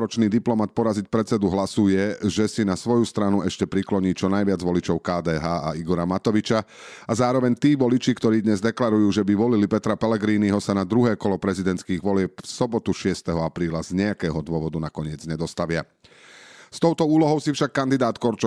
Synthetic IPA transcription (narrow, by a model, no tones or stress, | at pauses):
ɾɔt͡ʃniːd̪iplɔmat̪̚pɔɾazic̚pɾɛt͡sɛd̪uɦlasujɛʒɛsinasʋɔjust̪ɾanuɛʃcɛpɾiklɔɲiːt͡ʃɔnajʋɪad͡zʋɔlit͡ʃɔʊkaːd̪ɛːɦaːaiɡɔɾamat̪ɔʋit͡ʃa | azaːɾɔʋɛɲt̪iːʋɔlit͡ʃikt̪ɔɾiːd̪ɲɛzd̪ɛklaɾujuːʒɛbiʋɔlilipɛt̪ɾapɛlɛɡɾiːniɦɔsanad̪ɾuɦɛːkɔlɔpɾɛzid̪ɛnt̪skiːɣʋɔlɪɛp̚fsɔbɔt̪uʃɪɛst̪ɛɦɔapɾiːlazɲɛakɛːɦɔd̪ʊɔʋɔd̪unakɔɲɪɛd͡zɲɛd̪ɔst̪aʋɪa | st̪ɔʊt̪ɔuːlɔɦɔʊsifʃakːand̪id̪aːt̪kɔɾt͡ʃ